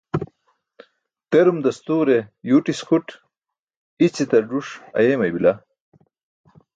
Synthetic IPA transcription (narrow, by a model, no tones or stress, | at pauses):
t̪eɾumd̪ɐst̪uːɾejuːʈiskuʈ | it͡ɕit̪ɐɖuʂɐ̰jeːmɐjbilɐ